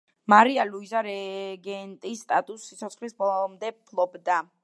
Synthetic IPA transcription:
maɾialuizaɾɛɡɛnt̪ʼisːt̪ʼat̪ʼusːit̪sʰɔt̪sχlisbɔɔmd̪ɛpʰlˠɔbd̪a

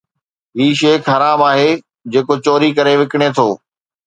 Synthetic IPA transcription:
ɦiːʃeːkʰɐɾaːbaːɦe | d͡ʑeːkot͡ɕoːɾikɐɾeʋɪkɪɽ̃et̪ʰoː

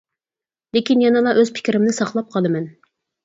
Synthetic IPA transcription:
lekʲinjɑnɨlˠɑʔøz̥pʰɪ̥kʲɾɪmnɪsɑχlˠɑp̚qʰɑlˠɨmɛn

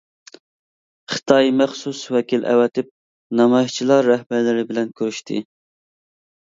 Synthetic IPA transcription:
χɨ̥t̪ʰɑjmæχsuswɛkʲilʔɛ̰wɛt̪ʰɪp̚ | nɑmɑjiʃt͡ʃʰilˠɑɾːɛhbæɾlɪɾɪbɪlɛnkʲʰøɾyʃt̪ʰɪ̰

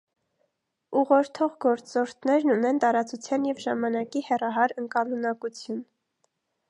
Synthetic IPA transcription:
uʁɔɾt̪ʰɔʁɡɔɾt͡sɔɾt̪ʰnɛɾnunɛnt̪ɑɾɑt͡sut͡sʰjɑnjɛvʒɑmɑnɑkihɛrɑɦɑɾəŋkɑlunɑkut͡sʰjun

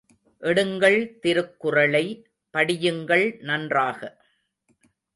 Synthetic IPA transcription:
ʔɛɽɯŋɡɐɭt̪ɪɾɯkːɯrɐɭɐɪ | pɐɽɪjɯŋɡɐɭnɐndraːɣɐ

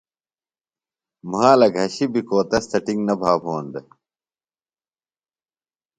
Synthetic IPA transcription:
maːlɐɡʱɐɕibikoːt̪ɐst̪ɐʈiŋnɐbʱaːboːnd̪e

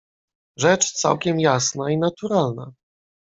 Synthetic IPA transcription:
ʐɛt͡ʂt̪sa̰wkʲɛmjasnainat̪uɾalna̰

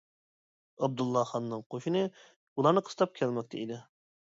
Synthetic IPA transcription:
ɑb̚d̪ulˠːɑχɑnːɨŋqʰoʃɨnɨ | ulˠɑɾnɨqʰə̥st̪ʰɑp̚kʲʰɛlmɛk̚ʲt̪ʰɛid̪ɪ

